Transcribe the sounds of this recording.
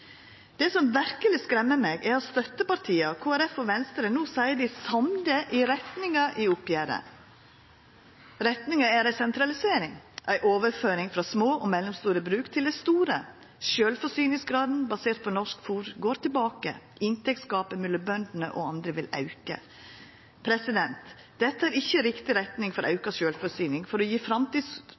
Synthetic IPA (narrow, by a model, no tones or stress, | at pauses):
d̪̥ɛsɔmʋæɾkəlɪskɾɛmːəmeːɡæɾɔst̪œt̪ːəpɑɾʈ̪ʰiːəkʰoːæɾɛfɔʋɛnst̪əɾənuːsæɪəd̪ɪsɑmd̪əʔɪɾɛt̪nɪŋɑʔɪʊpjæːɾə̰ | ɾɛt̪nɪŋɑæɾæɪsɛnt̪ʰɾɑlɪseːɾɪŋʔæɪʔoːʋəɾføːɾɪŋfɾɑsmoːʔɔmɛlːɛmst̪uːɾəbɾʉːkt̪ʰɪld̪ɛst̪uːɾə | ʃøːlfɔʂyːnɪŋsɡɾɑːd̪n̩bɑseːɾt̪̚pʰɔnɔʂkfuːɾɡoːɾt̪ɪlbɑːkə̰ | ɪnt̪ʰɛk̚t̪skɑːpəmʏlːəbœnd̪n̩ə̰ʔɔɑnd̪ɾəʋɪlɑ̰ʉkə̰ | pʰɾɛsɪd̪ɛnt̪ | d̪̥ɛt̪ːəæːɾɪçːəɾɪkt̪ɪɾɛt̪nɪŋfɔɾʔɑʉkɑʃøːlfɔsyːnɪŋfɔɾɔjiːfɾɑmt̪iːs